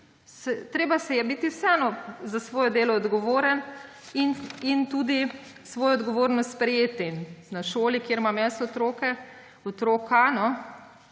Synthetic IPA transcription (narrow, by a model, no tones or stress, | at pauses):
sɛt̪ɾeːbasɛjɛbiːt̪iwsɛɛnɔzasʋoːjɔd̪eːlɔːd̪ɡɔʋoːɾən | inint̪uːd̪i | sʋɔːjɔɔd̪ɡɔʋoːɾnɔst̪spɾɛjeːt̪ɛinnaʃoːlikjeɾmamɛst̪ɔt̪ɾoːkɛ | ɔt̪ɾoːkanɔ